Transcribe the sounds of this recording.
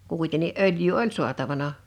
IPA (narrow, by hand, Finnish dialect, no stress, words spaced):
kuˑitenːi ʔøljˑyː olʲ su̞ɑtɑʋɑnɑ